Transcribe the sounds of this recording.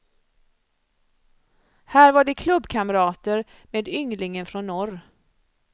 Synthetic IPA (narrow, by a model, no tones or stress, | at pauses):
hæːɾvaɖɛkʰlɵbːkʰaməɾɑːt̪əɾ | meːd̪ʏŋlɪŋənfɾɔnːɔɾ